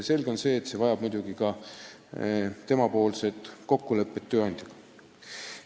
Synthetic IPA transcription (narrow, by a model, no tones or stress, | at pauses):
se̞lɡeo̞nse̞ːt̪se̞vɑjɑb̥mujd̪uɡikɑ | t̪e̞mɑpo̞ːlse̞t̪ˑko̞kːˑulɤ̞pˑːet̪ːøːɑnʲd̪̥ʲjɑɡ̥ɑ